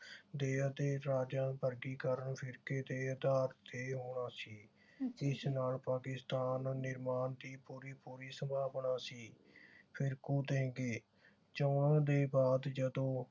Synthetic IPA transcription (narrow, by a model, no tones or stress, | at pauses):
d̪eːaːd̪eːɾaːd͡ʒãːnpəɾɡiːkəɾəɳpʰɪɾkeːd̪eːəd̪aːɾt̪eːɦoːɳaːsiː | ɪsnaːlpaːkɪst̪aːnːɪɾmaːnd̪iːpuːɾiːpuːɾiːsəbʱaːbɳaːsiː | pʰɪɾkuːd̪ẽːɡeː | t͡ʃəʊɳəd̪eːbaːd̪d͡ʒəd̪õː